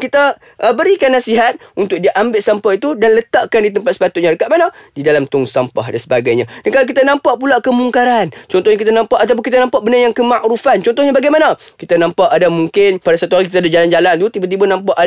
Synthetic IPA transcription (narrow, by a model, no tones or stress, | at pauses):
kit̪a | ʔəbəɾikanːasiɦat̪̚unt̪ʊk̚diʔambɪʔsampaʔit̪udanlət̪aʔkandit̪̬əmpat̪̚sə̥pat̪ʊʔ̪̚ɲaɾəkatʔmanadidalamt̪ʊŋsampa̰hdansəbaɡajɲadankalawk̬it̪anãmpaʔpulaʔkəmuŋkaɾant͡ʃɔnt̪ɔhɲakit̪̬anãmpaʔat̪awp̬ʊnkit̪anãmpaʔbənajaŋkəmaʔɾufant͡ʃɔnt̪ɔhɦɲabaɡajmanakit̪anãmpaʔadamuŋkɪnpadasat̪uɦaɾik̬it̪aːdad͡ʒaland͡ʒalant̪ut̪ibat̪̬ibanãmpaʔa